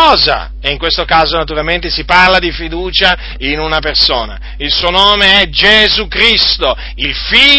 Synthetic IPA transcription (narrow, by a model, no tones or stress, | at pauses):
ɔːza̰ | eiŋkwest̪okaːzonat̪̬uɾalment̪esiparlad̪ifid̪uːt͡ʃa | inunapersoːna̰ | ilsuːonoːmeɛd͡ʒezukɾist̪o | ilfi